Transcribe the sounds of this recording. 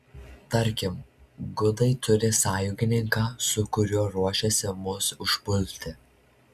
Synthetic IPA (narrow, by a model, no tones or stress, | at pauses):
t̪ɐɾʲkʲɪmɡʊd̪ɐɪt̪ʊɾʲɪsɑːjʊɡʲɪnʲɪŋkɑːsʊkʊɾʲuɔɾuɔʃʲɛsʲɪmʊsʊʒbʊlʲt̪ʲɪ